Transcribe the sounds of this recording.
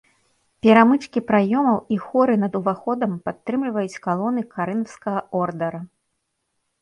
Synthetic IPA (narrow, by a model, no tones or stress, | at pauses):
pʲɛɾamɨt͡ʂkʲipɾajɔmɐwixɔɾɨnɐd̪uvaxɔd̪ɐmpat̪ːɾɨmlʲivɐjut͡sʲkalˠɔnɨkaɾɨnɐwskɐɣɐɔrd̪ɐɾɐ